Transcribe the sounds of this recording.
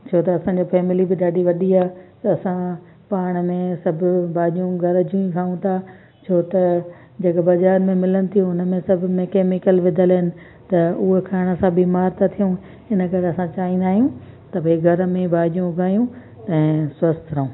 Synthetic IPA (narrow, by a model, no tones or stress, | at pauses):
t͡ɕʰoːt̪ɐɐsãɲd͡ʑofɛːmɪlibɪɗaːɗiʋɐɗiaːt̪ɐɐsã | paːɽ̃mẽsɐbʱʊbaːʄijũɡʱɐɾd͡ʑũĩkʰaːũt̪ʰa | t͡ɕʰoːt̪ɐ | d͡ʑɐkbɐzaːɾmẽmɪlənɪ̆t̪ʰijũʊnmẽsɐbʱʊmẽkeːmɪkəlʋɪd̪ʱəlɦɪnɪ̆ | t̪ɐʊɦekʰaːɽ̃ə̆sãbiːmaːɾt̪at̪ʰijũ | ɪnəkɐɾɐsãt͡ɕaːɦĩnd̪aːɦijũ | t̪ɐbeɡʱɐɾmẽbaːʄijũʊɡʱaːjũ | t̪ɐ̃ɛ̃sɐst̪ʰɾɐũː